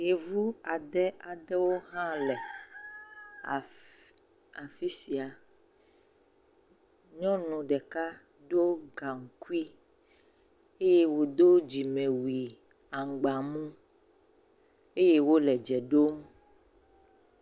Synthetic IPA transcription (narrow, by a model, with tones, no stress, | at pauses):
je˨vu˦a˨ɖ̪ɛ˦a˨ɖɛ˦wo˦ɦã˦lɛ˨ | a˨fi˦si˨a˨ | ɲɔ̃˦nũ˨ɖɛ˨ka˦ | ɖo˦ɡa˨ŋ̩˨ku˦i˦ | e˦je˦wo˨d̪o˦d͡ʑi˨mẽ˨wi˨ | a˨ŋ̩˨ɡ͡ba˨mũ˦ | e˦je˦wo˦lɛ˨d͡ʒɛ˨ɖo˦m